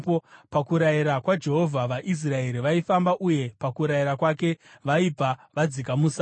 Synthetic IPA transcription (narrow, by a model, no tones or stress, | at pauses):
popakuɾaiɾakwad͡ʒe̞ɦo̞vʱaʋaʔis̬rae̞ɾiʋaifambaʔuje̞pakuɾajiɾakwake̞ʋaib͡vaʋad͡zik̬amusa